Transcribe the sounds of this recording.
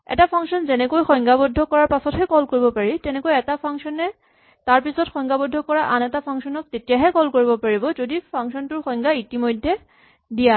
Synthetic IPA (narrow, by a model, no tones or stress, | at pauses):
ɛ̰tapʰaŋsɔnzɛnɛkojxɔjŋɡabɔdʱːɔkɔɹaɹpasɔtɦɛkɔlkoɹibɔpaɹitɛnɛkojɛtapʰaŋsɔnɛ | taɹpisɔtxɔŋɡabɔdʱːɔkɔɹaʔanɛtapʰaŋsɔnɔk̚tetijaɦɛkɔlkoɹibɔpaɹibɔzodipʰaŋksɔntʊɹxɔjŋɡaitimojdʱːɛ | dija